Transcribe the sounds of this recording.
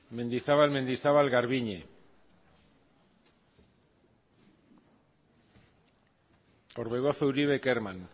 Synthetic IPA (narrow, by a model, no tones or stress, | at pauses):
me̞nd̪isaβalme̞nd̪isaβalɣaɾβiɲe | oɾβeɣosowɾiβe̞keɾman